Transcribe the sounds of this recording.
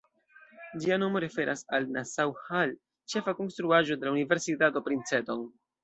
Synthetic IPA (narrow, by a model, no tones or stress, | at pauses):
d͡ʒiano̞mo̞ɾe̞fe̞ɾʔasalnasawhal | t͡ʃe̞fako̞nst̪ɾuaʒo̞de̞launive̞ɾsitato̞pɾint͡se̞to̞n